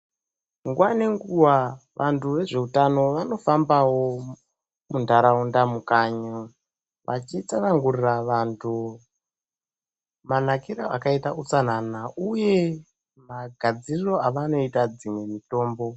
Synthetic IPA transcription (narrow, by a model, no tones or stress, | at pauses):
ŋɡwane̞ŋɡuwaʋʔantʰuʋe̞ʐe̞utano̞ʋano̞fambawo̞ | mundaɾaundamukaɲa | ʋʔa̰t͡ʃit͡sanaŋɡuriraʋantʰu | manakiɾaʔakaitaʔut͡san̤anaʔuje̞ | maɡʱad͡ziriro̞aʋano̞itad͡zimwe̞mito̞ːmbo̞